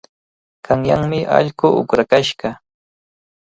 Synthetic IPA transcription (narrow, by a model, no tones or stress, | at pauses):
kaŋjaŋmɪʔɑ̰ʎkʊʔʊkɾakaʃɢɑ